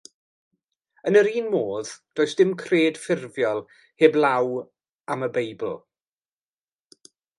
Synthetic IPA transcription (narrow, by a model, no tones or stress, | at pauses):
ənəɾiːnmoːðd̥oːɨsd̥ɪmkʰreːd̥fɪrvjɔlˠ | heːblˠaw | aməbejbl̩ˠ